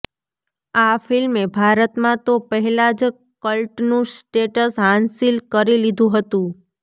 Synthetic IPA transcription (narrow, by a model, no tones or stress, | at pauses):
afɪlmebʱaɾət̪mãt̪opəɦɛlad͡ʒ | kəlʈnũsʈeʈəsɦãnsilkəɾilid̪ʱũɦət̪ũ